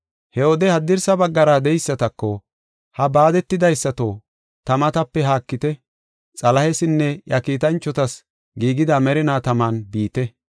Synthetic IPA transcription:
hɛwɔd̪ɛhɐd̪ːɪɾsɐbɐɡːɐɾad̪ɛjɪsːɐt̪ɐkːɔ | hɐbaːd̪ɛt̪ːɪd̪ɐjsːɐt̪oː | t̪ɐmɐt̪ɐpːɛɦaːkːɪt̪ɛ | t͡sʼɐlɐhɛsɪnːɛjɐkiːt̪ɐnt͡ʃːɔt̪ɐs | ɡiːɡɪd̪ɐmɛɾɪnaːt̪ɐmaːnbiːt̪ɛ

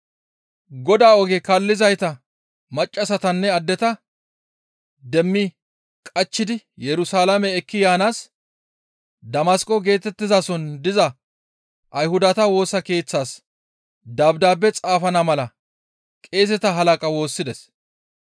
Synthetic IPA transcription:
ɡɔd̪aːɔɡɛkɐlːɪzɐjt̪ɐ | mɐt͡ʃʼːɐsɐt̪ɐnːɛɐd̪ːɛt̪ɐ | d̪ɛmːɪ | kʼɐt͡ʃːɪd̪ɪjɛɾʊsaːlɐmɛːkːɪjaːnaːs | d̪ɐmaskʼɔɡe̞ːt̪ɛt̪ːɪzaːsɔnd̪ɪzɐ | ʔɐjhʊd̪ɐt̪ɐwo̞ːsɐke̞ːt͡sːaːs | d̪aːbd̪aːbːɛt͡sʼaːfɐnɐmɐlɐ | kʼe̞ːsɛt̪ɐɦɐlɐkʼɐwo̞ːsːɪd̪ɛs

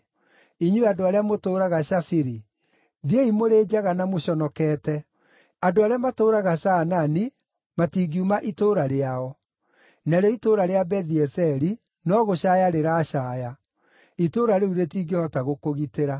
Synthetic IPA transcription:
iɲuadoaɾeamotoːɾaɣaɕafiɾi | ðieimoɾed͡ʑaɣanamoɕɔnɔkɛtɛ | adoaɾeamatoːɾaɣasanani | matiːɡiumaʔitoːɾaɾeaɔ | naɾɔitoɾaɾeabɛðiɛsɛɾi | nɔɣoɕajaɾeɾaɕaːja | itoːɾaɾeuɾetiːɡehɔtaɣokoɣiteɾa

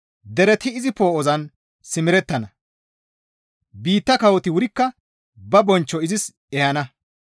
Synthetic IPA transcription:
d̪ɛɾɛt̪ɪːzɪpoːɔzɐn | sɪmɪɾɛt̪ːɐnɐ | biːt̪ːɐkɐwɔt̪ɪwʊɾɪkːɐ | bɐbɔnt͡ʃːɔɪzɪs | ɛjɐnɐ

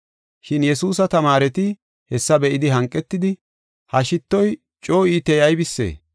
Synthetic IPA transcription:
ʃɪnjɛsuːs̬ɐt̪ɐmaːɾɛt̪ɪ | hɛsːɐbɛʔɪd̪ɪɦɐŋkʼːɛt̪ːɪd̪ɪ | hɐʃɪt̪ːɔj | t͡ʃʼo̞ːiːt̪ɛjɐjbɪsːḛː

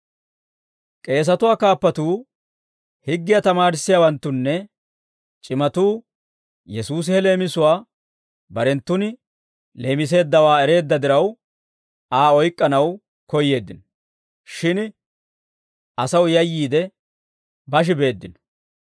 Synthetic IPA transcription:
kʼe̞ːs̬ɐt̪ʊwaːkaːpːɐt̪uː | hɪɡːɪjɐt̪ɐmaːɾɪsːɪjaːwɐnt̪ːʊnːɛ | t͡ʃʼɪmɐt̪uː | jɛsuːs̬ɪɛle̞ːmɪsʊwaː | bɐɾɛnt̪ːʊnɪ | le̞ːmɪs̬e̞ːd̪ːɐwaːɛɾe̞ːd̪ːɐd̪ɪɾɐw | aːɔjkʼːɐnɐw | kɔjːe̞ːd̪ːɪnɔ | ʃɪn | ɐsɐwjɐjːiːd̪ɛ | bɐʃ̬ɪbe̞ːd̪ːɪn

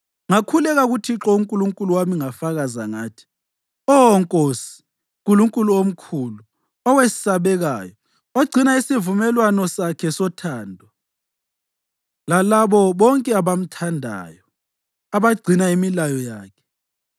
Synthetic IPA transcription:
ŋakʰulɛɣaɣutʰiǁɔuŋkʼuluŋkʼuluwamiŋafaɣazaŋaːtʰi̥ | ɔwɔŋkʼoːsi̥ | kʼuluŋkʼuluom̩kʰuːlu | ɔwesi̥saβɛɣaːjɔ | oɡ͡ǀʱinaisivumɛlwanɔsakʰɛsɔtʰaːndʱwa | lalaβɔβɔŋkʼɛaβam̩tʰandʱa̰ːjɔ | aβaɡ͡ǀʱinaimilajɔjaːkʰɛ̥

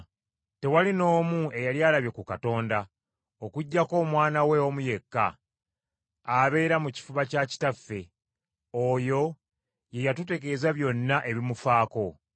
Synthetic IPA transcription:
te̞walino̞ːmue̞jaljaːlaβje̞kukato̞ːnda | o̞kuɟːako̞ːmwaːnawe̞omuje̞kːa̰ | βe̞ːɾamuci̥fuβacaci̥tafːe̞ | o̞ːjo̞ | je̞jatute̞ke̞ːzaβjo̞nːaʔe̞βimufaːko̞

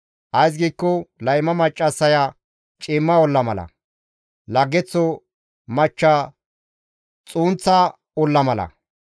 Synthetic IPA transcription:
ʔɐjs̬ɡiːkːɔlɐjmɐmɐt͡ʃʼːɐsːɐja | t͡ʃʼɪmːɐɔlːɐmɐlɐ̰ | lɐɡːɛt͡sːɔ | mɐt͡ʃːa | t͡sʼuːnt͡sːɐ | ɔlːɐmɐlɐ̰

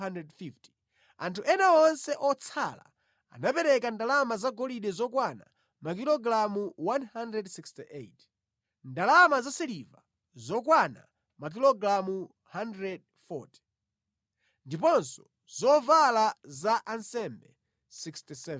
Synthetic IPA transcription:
andɛdfifti̥ | antʰuʔɛnaɔnsɛʔɔt͡sʰala̰ | a̰napɛɾɛkandalamazaɡɔliɗɛzɔkwana̰ | mak̬ilɔɡɾamuwanhandɾɛdsikstiʔet | ndalamazasɛliva̰ | zɔkwana̰ | mak̬ilɔɡɾamu | handɾɛd̚ | fɔ̰ti̥ | ndip̬ɔnsɔ̥ | z̥ɔvalazaʔansɛmbɛ | sikstisɛv

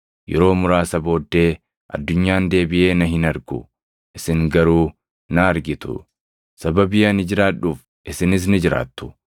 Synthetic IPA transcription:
jʔɛ̰ɾo̞ːmʊɾaːsɐbo̞ːd̪ːe̞ː | ʔɐ̰d̪ːʊɲːaːnd̪e̞ːbɪʔe̞ːnɐɦɪnɐɾɡʊ̰ | ʔɪsɪŋɡɐɾuː | nɐɐɾɡɪt̪ʊ̰ | sɐbɐbɪjɐnɪd͡ʒɪɾaːᶑuːf | ʔɪsɪnɪs̬nɪd͡ʒɪɾa̰ːt̪ːʊ̥

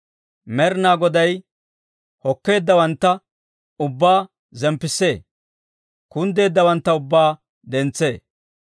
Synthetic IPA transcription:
mɛɾnaːɡɔd̪ɐj | hɔkːe̞ːd̪ːɐwɐnt̪ːɐ | ʊbːaː | zɛmpːɪsːe̞ː | kʊnd̪e̞ːd̪ːɐwɐnt̪ːɐʊbːaː | d̪ɛnt͡sːe̞ː

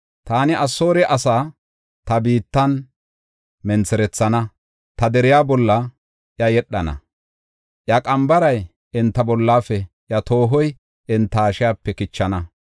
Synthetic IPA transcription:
t̪aːnɪʔɐsːo̞ːɾɛʔɐsaː | t̪ɐbiːt̪ːɐn | mɛnt͡sɛɾɛt͡sːɐnɐ | t̪ɐd̪ɛɾɪjaːbɔlːɐ | ʔjɐjɛɗːɐnɐ̰ | ʔjɐkʼɐmbɐɾɐj | ɪnt̪ːɐbɔlːaːfɛʔjɐt̪o̞ːɦɔj | ʔɪnt̪ːɐːʃɪjaːpːɛkɪt͡ʃːɐnɐ

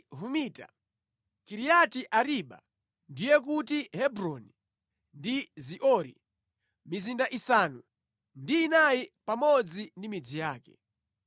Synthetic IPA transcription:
ɦumiːta̰ | kiɾijatiʔaɾiɓa̰ | ndijɛk̬utihɛbɾɔni | ndiziʔɔɾḭ | mizindaʔisanu | ndiːnajipamɔd͡zindimid͡zijaːkɛ̰

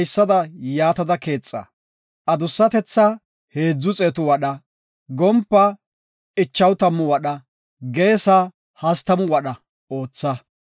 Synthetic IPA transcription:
jsːɐd̪ɐjaːt̪ɐd̪ɐke̞ːt͡sʼːɐ̰ | ʔɐd̪ʊsːɐt̪ɛt͡sːɐ | he̞ːd͡zːʊt͡sʼeːt̪ʊwɐɗɐ | ɡɔmpːɐ | ɪt͡ʃːɐwt̪ɐmːʊwɐɗɐ | ɡeːsa | hɐst̪ɐmʊwɐɗɐ | o̞ːt͡sːɐ

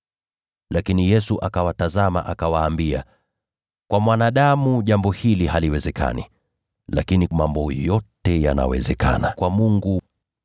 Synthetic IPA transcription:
lakinijɛsuʔakawatazama̰ʔakawaːmbia̰ | kwamwanaɗamuʄambɔhilihaliwɛzɛkʰa̰nḭ | lakinimambɔjɔtɛja̰na̰wɛ̰zɛka̰nakwamuŋɡu

